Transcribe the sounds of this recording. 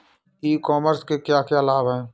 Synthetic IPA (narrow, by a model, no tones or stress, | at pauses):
iːkɔːməɾskekjaːkejlaːbɦɛ̃ː